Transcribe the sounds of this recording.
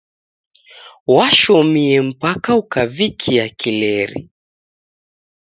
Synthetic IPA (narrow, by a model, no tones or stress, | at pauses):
waʃɔmiɛm̩pakaukavikʰiakilɛɾḭ